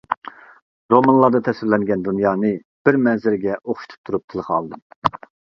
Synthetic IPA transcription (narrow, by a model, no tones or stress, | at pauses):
ɾomɑnlˠɑɾd̪ɑt̪ʰɛsɪɾlɛŋɡʲɛnd̪unjɑːnɨ | b̥ɪɾmɛnzɪɾɡʲɛʔoχʃut̪ʰu̥p̚t̪ʰuɾup̚t̪ʰɨlˠəχɑ̰lˠd̪ɨm